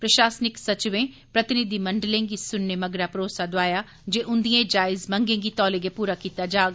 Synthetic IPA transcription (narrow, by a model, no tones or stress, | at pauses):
pɾɐʃaːsnɪksɐt͡ʃɪʋẽ | pɾɐt̪ɪnɪd̪imɐ̃ɳɖəlẽŋɡisʊnːemɐɡɾapɾoːsad̪oaːja | d͡ʒeːʔʊ̃nd̪iẽd͡ʒaːɪzmɐ̃ŋɡẽŋɡit̪ɔːleɡepuːɾakiːt̪ad͡ʒaːɡ